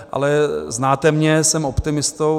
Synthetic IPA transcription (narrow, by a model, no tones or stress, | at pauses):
ʔa̰lɛznaːt̪ɛmɲɛsɛmopt̪ɪmɪst̪o